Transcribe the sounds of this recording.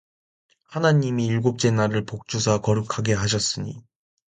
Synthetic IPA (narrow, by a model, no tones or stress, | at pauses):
hanaɲimiːɭɡop̚t͡ɕ͈e̞naɾɯɭpok̚t͡ɕ͈usʰakʌɾɯkʰaɡe̞ɦaɕ̬ʰʌs͈ɯɲi